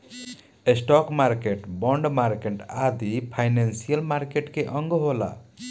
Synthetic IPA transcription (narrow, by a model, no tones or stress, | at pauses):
esʈɔkmaɾkeʈbɔɳɖmaɾkeʈad̪ipʰajnensijəlmaɾkeʈkeʔʌŋɡɦola̰